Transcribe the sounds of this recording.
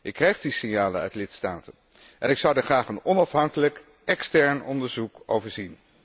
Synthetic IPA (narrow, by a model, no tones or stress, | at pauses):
ʔɪkːrɛjχdisɪnjaːlənœ̰ɥtlɪtstaːtən | ʔɛnɪksɑwdəχraːχənɔnɑfɦɑŋkələk | ɛkstɛɹnɔndəɹzuko̰wvəɹzin